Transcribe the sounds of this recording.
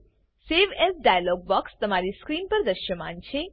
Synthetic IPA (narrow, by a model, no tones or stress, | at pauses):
seʋɛsɖajalɔɡ̚bɔkst̪əmaɾiskɾinpəɾd̪əʃjəmãnt͡ʃʰe